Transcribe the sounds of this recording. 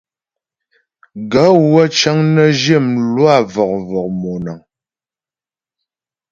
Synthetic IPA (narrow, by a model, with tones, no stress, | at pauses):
ɡa˨˦wə˦t͡ʃa˦ŋnə˦d͡ʒe˦˨mlwa˦˨vɔ˨k̚vɔ˨k̚mɔ˨na˨ŋ